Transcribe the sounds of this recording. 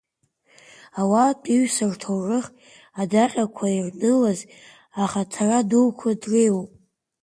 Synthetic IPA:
awatʼiɥsɨrtʰowʕɨχ | adaqʲʼakʷʰairnɨlaz | aχatʰaradulkʷʰadrejwpʼ

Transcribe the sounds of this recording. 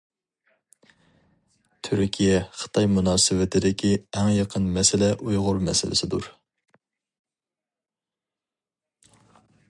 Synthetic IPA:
t̪ʰyɾkʲʰijɛχə̥t̪ʰɑjmunɑːsɨwɪt̪ʰɪd̪ɪkʲʰiæŋjɑqʰənmɛsɪlɛʔujʁʊɾmɛ̰sɪlɪ̰sɪd̪uɾ

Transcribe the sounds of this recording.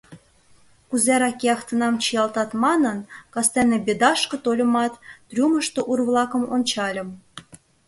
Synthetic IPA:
kuzæɾɑkeɑxt̪ə̆nɑmt͡ɕijɑlt̪ɑt̪mɑnənkɑst̪ænebʲed̪ɑʃkɤ̆t̪olʲɤ̆mɑt̪ːrʲuməʃt̪oʔurβlɑkə̆monʲt͡ɕɑlʲə̆m

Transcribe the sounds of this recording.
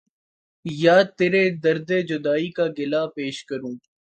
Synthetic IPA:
jaːt̪eːɾed̪əɾd̪eːd͡ʒʊd̪aːikaɡɪlaːpeːʃkəɾũː

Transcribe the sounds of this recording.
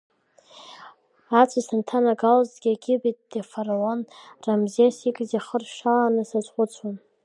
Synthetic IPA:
at͡sʷʰasantʰanaɡalzɡʲiaɡʲɪbit̚ʼd̥efaralonramziasikʼzaχərʃaanɨsat͡sʷʼχʷʊt͡sʰon

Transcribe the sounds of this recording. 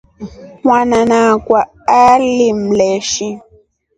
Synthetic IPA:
hw̃anãnãkwa | alimlɛʃi

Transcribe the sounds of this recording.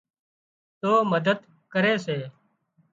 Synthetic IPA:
t̪oːməd̪əd̪ | kəɾeːseː

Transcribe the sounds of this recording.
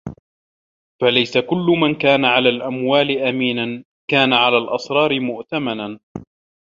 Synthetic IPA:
falajsakʊlːʊmankaːnaʕalaːlʔamwaːlɪʔamiːnan | kaːnaʕalaːlʔɑsˤɾˤɑːɾɪmʊʔt̪amanan

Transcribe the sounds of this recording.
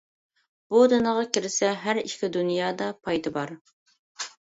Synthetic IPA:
b̥ud̪ɨnəʁɑkʲɪɾɪsɛɦæɾiʃkʲʰid̪unjɑːd̪ɑpʰɑjd̪ɨbɑɾ

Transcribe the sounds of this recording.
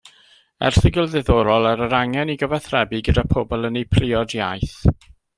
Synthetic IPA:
ɛ̰rθɪɡɪlˠðɛðɔɾɔlˠaɾəɾaŋɛniɡəvɛθrɛbiɡədapʰɔbɔlˠənejpʰrɪɔdjajθ

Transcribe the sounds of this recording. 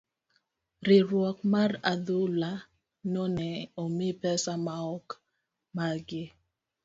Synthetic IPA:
ɾɪɾwɔkmaradula | nonɛomɪpɛsamaɔk | maɡɪ

